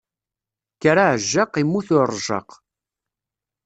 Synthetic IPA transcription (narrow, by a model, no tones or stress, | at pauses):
kaɾaʕəʒːɑqimːuθʊrˤʒɑ̰q